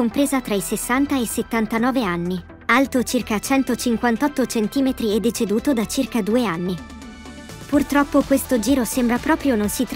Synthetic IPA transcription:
ompɾeːzat̪ɾaisesːant̪aeset̪ːant̪anɔːveanːi | alt̪ot͡ʃirkat͡ʃɛnt̪ot͡ʃiŋkwant̪ɔt̪ːot͡ʃent̪iːmet̪ɾiɛd̪ːet͡ʃed̪uːt̪od̪at͡ʃirkad̪uːeanːi | purt̪ɾɔpːokwest̪od͡ʒiːɾosembɾapɾɔːpɾjononsit̪ɾ

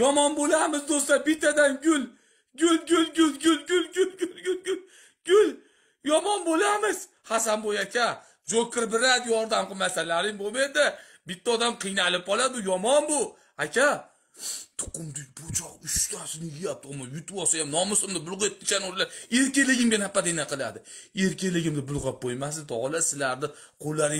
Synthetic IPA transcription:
jɒmɒnbolamɪzd̪osabɪt̪ʰːad̪anɡʲʊl | ɡʲʊlɡʲʊlɡʲʊlɡʲʊlɡʲʊlɡʲʊlɡʲʊlɡʲʊlɡʲʊl | ɡ̥ʲʊl | jɒmɒnbolamɪz̥ | hasanbojakʲʰa | d͡ʒokʲɪɾbɪɾad̪jɒɾd̪amqɨmasalːaɾɪmbomed̪ɪ | bɪt̪ːaɒd̪amqʰɨjnalɪp̚qɒlˠad̪ʊjɒmɒnbʊ | akʲʰa | t̪ʰʊ̥qʊmd̪ɪk̚ʲbot͡ʃʰɒqʊʃt̪ʰasɪnɪjʲjap̚t̪ɪɒmajʊt̪wɒsajamnɒmɪsʊmd̪ɪbʊlˠʁet̪̚ːɪt͡ʃʰanoɾlaɾeɾkʲelɪɡʲɪmɡʲanhapːad̪enaqɨlˠa̰d̪ɪeɾkʲelɪɡʲɪmd̪ɪbʊlˠʁap̚bojmasd̪ɪd̪ɒlasɪlaɾd̪ɪ | qʰolːaɾɪ

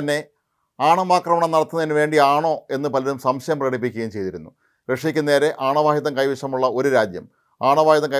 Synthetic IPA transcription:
ɐnːe̞ | aːɳɐmaːkrɐmɐɳɐmnɐɽɐt̪ːunːɐðinːɨʋe̞ːɳɖiaːɳo̞ːe̞nːɨpɐlɐɾumsɐmɕɐjɐmprɐɽip̬ːikʲːɐɣɐjumt͡ɕe̞jt̪iɾunːu | ʋeʂɐjɐkʲːɨneːɾe̞ʔaːɳɐʋaːhjiðɐmŋkɐjʋiʂɐmuɭːɐo̞ɾuɾaːd̪jɐ̰m | aːɳɐʋaːhjɐðɐŋkɐ

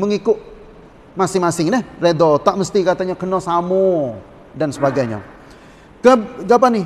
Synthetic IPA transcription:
məŋikʊʔ | masɪŋmasɪŋdɛhredɔt̪aʔməst̪ikat̪aɲakənɔsamu | dansəbaɡajɲa̰ | kəɡap̬anɪ

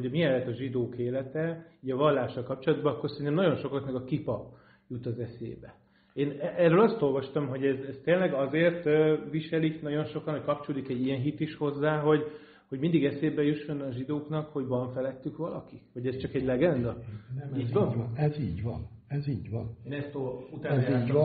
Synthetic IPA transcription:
hoɟmiɛlːɛt̪ɒʒid̪oːkeːlɛt̪ɛiːɟɒvɒlːaːʃːɒlkɒp̚t͡ʃolɒd̪bɒnɒkːorsɛɾint̪ɛmnɒɟo̞nʃo̞klɒknɛkɒkipɒp | jut̪ɒzɛsḛːbɛ | eːnɛrøːlɒst̪o̞lvɒʃt̪ɒmɦo̞ɟɛzɛst̪eːnlɛɡɒzeːrt̪ʋiʃɛliknɒɟo̞nʃo̞kɒnockɒp̚t͡ʃolikɛɟːijɛnɦit̪iʃho̞zːaːɦo̞ɟ | ho̞ɟmind̪iɡɛseːbɛjuʃːo̞nɒʒid̪oːknɒkho̞ɟvɒɱfɛlɛt̪ːykʋɒlɒkiho̞ɟɛst͡ʃɒkɛɟlɛɡɛnd̪ɒiːɟ̪ɛziːɟvɒ̰nɛziːɟʋɒnenɛst̪out̪ai

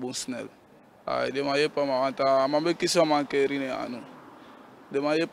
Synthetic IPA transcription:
buŋsnɛ̰l | a̰demajepamamãnt̪aːmabekisoamakeɾinea̰nu | demajep

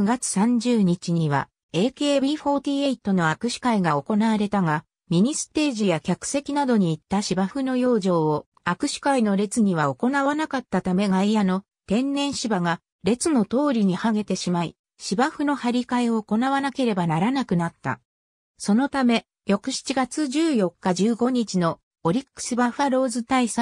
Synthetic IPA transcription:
kɯ̟ɡat͡sɨ̥sãɲ̟d͡ʑɨːɲ̟it͡ɕiɲ̟iβ̞a̰ | e̞ːke̞ːbʲiːɸo̞ːt̪ʲiːeit̪ːono̞akɯ̟ɕi̥kaiɡao̞ko̞naβaɾe̞t̪aɡa | mʲiɲ̟isɨ̥t̪e̞ːʑijakʲakɯ̟̥se̞kʲinad̪o̞ɲ̟iːt̪ːaɕibaɸɯ̟no̞jo̞ːʑo̞ːo | akɯ̟ɕi̥kaino̞ɾe̞t͡sɨɲ̟iβ̞ao̞ko̞naβanakat̪ːat̪ame̞ɡaijano̞ | t̪ẽ̞nːẽ̞ɰ̃ɕibaɡa | ɾe̞t͡sɨno̞t̪o̞ːɾʲiɲ̟ihaɡe̞t̪e̞ɕimaḭ | ɕibaɸɯ̟no̞haɾʲikaeo̞ːko̞naβanake̞ɾe̞banaɾanakɯ̟nat̪ːa̰ | so̞no̞t̪ame̞ | jo̞kɯ̟ɕi̥t͡ɕiɡat͡sɨʑɨːjo̞kːaʑɨːɡo̞ɲ̟it͡ɕino̞ | oɾʲikkːɯ̥sibaɸaɾo̞ːzɨt̪aisa

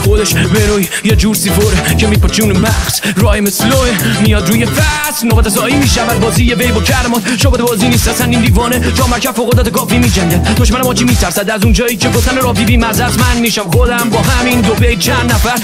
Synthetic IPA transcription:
xod̪eʃbenoj | jed͡ʒuːɾsifoɾecʰemiːpʰɔt͡ʃʰunmæxsɾɒːjemesloemiːjɒːd̪ɾuːjefæ | snobæt̪ʰɛsɒːiːmiːʃævæd̪̚bɒːziːjevejbɔcʰæɾemɒːt̪ʃobɛt̪ebɒːziːniːst̪ɛsænd̪iːnd̪iːvɒːnet͡ʃʰɒːmæɾkʰæzfoɣod̪ɔːt̪ekʰɒːfimiːd͡ʒæɲɟæd̪̥̚d̪oʃmænemɒːt͡ʃʰimiːt̪ʰæɾsæd̪æzund͡ʒɒːiːcʰeɡoft̪ænoɾɒːbibiːmæzæzmænmiːʃæmxod̪æmbɒːɦæmind̪obejt͡ʃʰænd̪næfæɾ

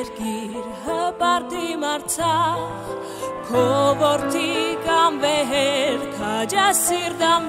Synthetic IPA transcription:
ɾɡiɾɦəbaɾt̪imaɾt͡sʰa | kʰobɔɾt̪ʰikambeɦeɾk̪ʰad͡ʒasiɾd̪am

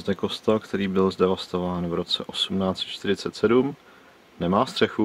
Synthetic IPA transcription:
zdɛko̞st̪alkt̪ɛɾiːbɪlzdɛvast̪o̞vaːnvɾo̞t͡sɛʔo̞sumnaːt͡sɛ̥t̪t͡ʃt̪ɪɾɪt͡sɛt̪sɛdum | nɛmaːst̪r̝̥ɛxu

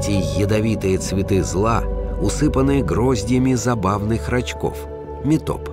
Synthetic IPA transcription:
tʲɪjəd̪ɐvʲit̪ɨjət̪svʲɪt̪ɨzlˠaʊsɨpənɨjəɡɾozʲdʲjəmʲɪzɐbavnɨxrɐt͡ɕko̰f | mʲɪt̪o̰p

